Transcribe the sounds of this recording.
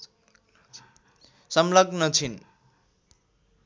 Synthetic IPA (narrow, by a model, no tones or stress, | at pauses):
sʌmlʌɡnʌt͡sʰin